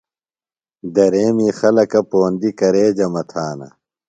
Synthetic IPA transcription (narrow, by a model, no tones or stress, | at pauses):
d̪ɐɾeːmiːxɐlɐkɐpoːnd̪ikɐɾeːd͡ʑɐmɐt̪ʰaːnɐ̰